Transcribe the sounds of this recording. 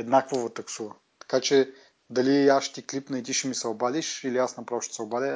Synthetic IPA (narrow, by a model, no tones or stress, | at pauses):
ɛd̪nakvovot̪ɐksuvə | t̪ɐ̥kat͡ʃɛ | d̪ɐliaʃt̪iklipnɐit̪iʃɛmisɛobad̪ʲiʃiliasnɐpɾavʃt̪o̥sɛobad̪ʲɛ